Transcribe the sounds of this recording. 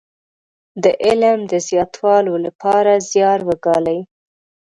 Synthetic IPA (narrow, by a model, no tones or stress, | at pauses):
d̪əʔɪlmd̪əzjɑt̪ʰwɑlolapɑɾazjɑɾwəɡɑlaj